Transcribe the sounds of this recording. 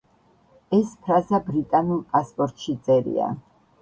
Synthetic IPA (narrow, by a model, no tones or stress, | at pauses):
ɛspʰɾazabɾit̪ʼanulˠpʼaspʼɔɾt̪ʼʃit̪sʼɛɾḭa̰